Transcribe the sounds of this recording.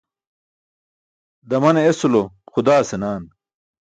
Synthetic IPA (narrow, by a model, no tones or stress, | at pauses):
d̪ɐmɐneesuloxud̪aːsenaːn